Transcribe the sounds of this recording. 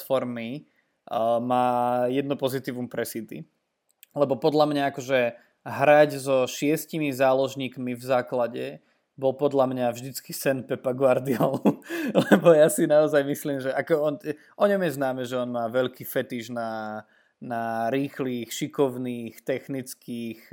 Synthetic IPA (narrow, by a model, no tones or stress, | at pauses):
fɔɾmi | maːjɛd̪̚nupɔzit̪iːʋumpɾɛsit̪ḭ | lɛbɔpɔd̪lamɲaakɔʒɛ | ɦɾaɟzɔʃɪɛscimizaːlɔʒɲiːkmivzaːklaɟɛ | bɔlpɔd̪lamɲavʒd̪it͡ski̥sɛnpɛpaɡʊaɾd̪iaanulɛbɔjasinaɔzajmisliːmʒɛʔakɔɔnɛ | ʔɔɲɔmjɛznaːmɛʒɛɔnmaːʋɛʎkiːfɛt̪iʒna | naɾiːxliːxʃikɔʊniːxt̪ɛxnit͡skiːx